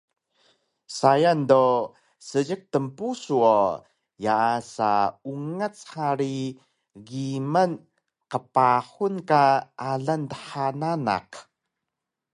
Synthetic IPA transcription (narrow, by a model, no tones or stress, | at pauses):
sajando | səɟək̚təmpusuo | jaasa̰uŋət͡sħhaɾi | ɡimən | qəpaħunkaʔaɮantəħanana̰q